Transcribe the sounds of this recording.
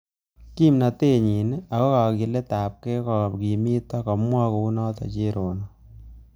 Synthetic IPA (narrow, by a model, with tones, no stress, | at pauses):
ki˦mna˨te˦ɲi˨na˨kɔ˦ka˨ki˨le˦ta˨p̚ke˦kɔ˨ki˨mi˦ta˦kɔ˨mwɔ˦ko˨u˦nɔ˦tɔ̰˨t͡ʃe˦ɾo˨nɔ˨